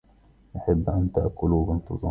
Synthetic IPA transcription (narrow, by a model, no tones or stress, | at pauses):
ʔaħabːʔant̪aʔkʊluːbɪnt̪ˤɨ̰zˤɑ